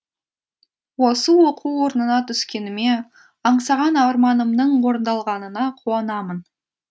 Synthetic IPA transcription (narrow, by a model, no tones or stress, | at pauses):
wo̞səwo̞qʰuwwo̞ɾənənɑt̪ʰʏskʲe̞nɪme̞ | ɑɴsɑʁɑnɑɾmɑnəmd̪əɴwo̞ɾənd̪ɑlˠʁɑnənɑqʰuɑnɑmən